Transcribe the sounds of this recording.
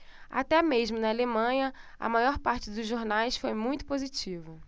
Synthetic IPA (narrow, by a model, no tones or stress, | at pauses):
a̰t̪ɛmeʒmʊnɐalemɐ̃ɲɐɐ̰majɔɾpaɾt͡ʃɪd̪ʊzʒoɾnajsfojmũj̃t̪ʊpozit͡ʃivʊ